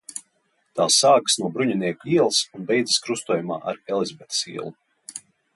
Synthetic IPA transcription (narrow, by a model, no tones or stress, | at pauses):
t̪aːsːaːksnuɔbɾuɲaniɛkuiɛlˠsunbʲɛjd̪ziskɾust̪uɔjuma̰ːʔa̰ɾɛlˠizʲbɛt̪sḭɛlˠu